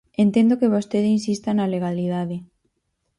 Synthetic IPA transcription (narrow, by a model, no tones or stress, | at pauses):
ent̪end̪okeβost̪eðeinsist̪analeɣ̞aliðaðe